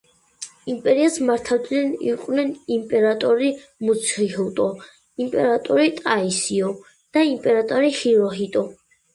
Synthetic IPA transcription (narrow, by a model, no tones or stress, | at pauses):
impʼɛɾiasmaɾt̪ʰad̪nɛnḭqʼwnɛnimpʼɛɾat̪ʼɔɾi | mut̪sʰχihɛt̪ʼɔ | impʼɛɾat̪ʼɔɾit̪ʼaisiɔ | d̪̥aimpʼɛɾat̪ʼɔɾihiɾɔɦit̪ʼɔ